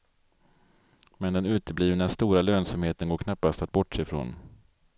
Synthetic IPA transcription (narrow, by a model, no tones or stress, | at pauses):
mɛnd̪ɛnʉ̟ːt̪əbliːvnast̪uːɾaløːnsamheːt̪ənɡoːkʰnapːast̪at̪̚bɔʈːʂɛɪjfɾo̰ːn